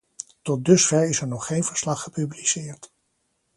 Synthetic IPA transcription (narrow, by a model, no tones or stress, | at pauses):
tɔt̚dɵsfɛɹɪsɛɹnɔχːejnvəɹslɑχːəpyblisɪːɹt